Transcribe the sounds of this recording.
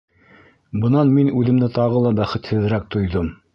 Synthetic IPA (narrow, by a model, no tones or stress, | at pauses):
bɤ̆nɑnminʉðɘ̆md̪ɘt̪ɑʁɤlˠɑbæχɘ̆t̪hɘ̆ðɾæk̚t̪ŏjðɤm